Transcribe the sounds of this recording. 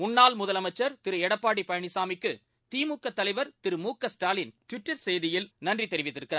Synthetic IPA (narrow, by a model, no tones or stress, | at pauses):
mʊnːaːlmʊðɐlɐmɐt͡ʃːɐɾt̪ɪɾɯɛɽɐpːaːɽipɐjɐɳɪsaːmɪkːɯ | t̪iːmuːkːɐt̪ːɐlɐɪʋɐɾt̪ɪɾɯmuːkːɐsʈaːlɪnʈʋɪʈːɐɾsɛjðɪjɪlnɐndrit̪ːɛɾɪʋɪt̪ːɪɾɯkːɪraːɾ